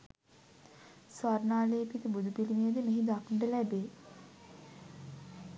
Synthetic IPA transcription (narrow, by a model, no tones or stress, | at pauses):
sʋaɾnaːlejːpit̪əbud̪ʱupilimejəd̪əmeɦid̪akɳɖəlæbe